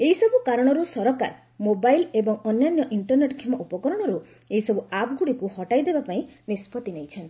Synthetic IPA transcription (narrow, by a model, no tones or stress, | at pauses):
eɦisɔbukaɾɔɽ̃ɔɾusɔɾɔka̰ɾ | mobajlebɔŋɔnjanjɔʔiɳʈɔɾneʈkʰemɔʔupɔkɔɾɔɽ̃ɔɾu | eɦisɔbuapɡuɽikuhɔʈajd̪ebapaĩnispʰɔt̪inejt͡ʃʰɔnt̪